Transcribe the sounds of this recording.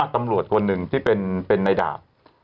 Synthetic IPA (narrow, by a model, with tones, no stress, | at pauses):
a˥˩t̪a˧mɾu˨˩ət̪̚kʰo˧nːɯ˨ŋt̪ʰiː˥˩pe˧npe˧nːa˧jda̰ː˨˩p̚